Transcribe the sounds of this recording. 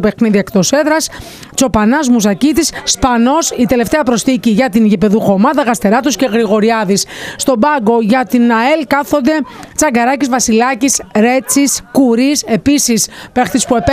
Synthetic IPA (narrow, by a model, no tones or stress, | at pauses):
pe̞xniðiekt̪o̞se̞ðɾɐs | t͡so̞pɐnɐzmusɐcit̪isːpɐno̞sit̪e̞le̞ft̪e̞ɐpɾo̞sθiciʝɐt̪inʝipe̞ðuxo̞mɐðɐɣɐst̪e̞ɾɐt̪usce̞ɣɾiɣo̞ɾiɐðisst̪o̞bɐɡo̞ʝɐt̪inɐelkɐθo̞nd̪e̞t͡sɐɡɐɾɐcizvɐsilɐcisɾe̞t͡siskuɾise̞pisispext̪ispuep